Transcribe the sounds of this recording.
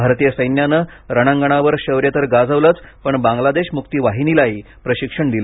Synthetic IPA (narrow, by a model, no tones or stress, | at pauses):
bʱaɾt̪ijəsəjnjanə | ɾəɽ̃ãŋɡəɳ̃aʋəɾɕəʋɾjət̪əɾɡad͡zəʋlət͡spəɳbãŋɡlad̪eɕmuk̚t̪iːʋaɦiniːlaɦiː | pɾəɕikʂəɳd̪ilə